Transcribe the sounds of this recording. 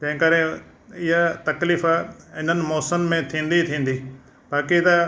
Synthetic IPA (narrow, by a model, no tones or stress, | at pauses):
d͡ʑɐ̃ɦɪ̃kɐɾe | ɪɦat̪ɐkliːfɪn̤ənɪ̆mɔːsəmmẽt̪ʰĩːn̆d̪it̪ʰĩːn̆d̪iː | baːkit̪ɐ